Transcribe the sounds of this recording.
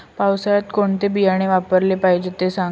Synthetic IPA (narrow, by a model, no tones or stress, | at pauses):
pawsajat̪koɳt̪ebijaɽ̃eʋapəɾlepaid͡ʑet̪esã